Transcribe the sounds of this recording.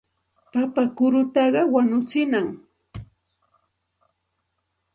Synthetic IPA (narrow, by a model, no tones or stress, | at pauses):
papakʊɾʊt̪ɑɢɑwaɲʊt͡sɪnaŋ